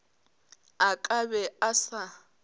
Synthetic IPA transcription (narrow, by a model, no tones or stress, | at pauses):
akʼabɛasa